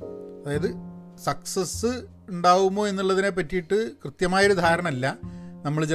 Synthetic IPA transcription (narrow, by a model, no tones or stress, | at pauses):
ɐðaːjɐðɨ | sɐksɐsːɨ | uɳɖaːwumːo̞ːe̞nːuɭːɐðine̞p̬ːɐtːijiʈːɨkrɨt̪jɐmaːjɐoɾud̪ʱaːɾɐɳɐmɐlːɐnɐmːɐɭt͡ɕe